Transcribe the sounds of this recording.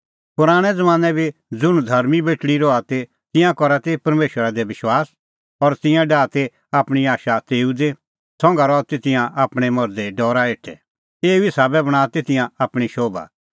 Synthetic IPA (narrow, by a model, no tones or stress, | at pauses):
pʊɾaːɽ̃ɛd͡zɐmãːnɛbʱid͡zʊɽ̃ũd̪ʱɐɾmibeːʈɽiɾɔat̪e | t̪ɪ̃jãkɔɾat̪epɐɾmeːʃwəɾad̪ɛbɪʃwaːs | ɔɾt̪ɪ̃jãɖaːt̪e | aːpɽ̃iaːʃat̪eːud̪e | sɔ̃ŋɡaɾɔt̪et̪ɪ̃jãʔaːpɽ̃ɛmɔɾd̪eɖɔːɾaeːʈʰɛ̰ | eːuisaːbɛbɐɽ̃aːt̪et̪ɪ̃jãaːpɽ̃iʃoːba̰